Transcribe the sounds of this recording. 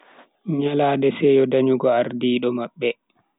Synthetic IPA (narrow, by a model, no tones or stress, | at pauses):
ɲalaːdɛsɛjɔdaɲuɡɔaɾdiːɗɔmaɓːɛ